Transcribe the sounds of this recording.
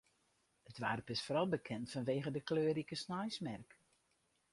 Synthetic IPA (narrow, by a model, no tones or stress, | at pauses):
ətʋa̰ːrəpɪsfoɾɑlˠbəkʰɛntfɔnʋeːɣədəkløːɾikəsnajsmɛrk